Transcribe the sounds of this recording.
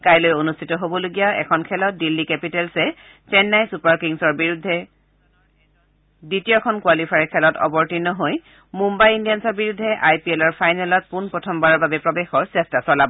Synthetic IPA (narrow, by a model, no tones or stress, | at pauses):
kajlojonustʰitɔɦobɔloɡijaɛ̰kʰɔnkʰɛlɔt̚dilːikɛpitɛlsɛ | t͡ʃɛnːajsupaɹkiŋsɔɹbiɹudʱːɛ | ditijɔkʰɔnkwalipʰaɹikʰɛlɔtɔ̰bɔɹtinːɔɦoj | mumbajindijansɔɹbiɹudʱːɛʔajpiɛlɔɹpʰajnɛlɔt̚punpɹɔtʰɔmbaɹɔɹbabɛpɹɔbɛxɔɹsɛstasɔlabɔ